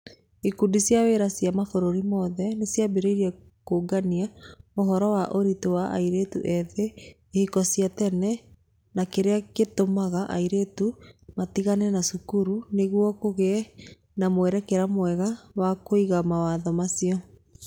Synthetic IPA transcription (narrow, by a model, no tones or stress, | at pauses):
ikudisjaweɾasjamafoɾoɾimɔðɛnesjabeɾeiɾia | koɡaniaoɦɔɾɔwaʔoɾitowaʔa̰iɾetṵʔɛðe | ehikɔsiatɛnɛ | nakeɾeaketomaɣaʔa̰iɾetumatiɣanɛnasukuɾuneɣwɔkoɣe | namwɛɾɛkeɾamwɛɣawakoiɣamawaðɔmasiɔ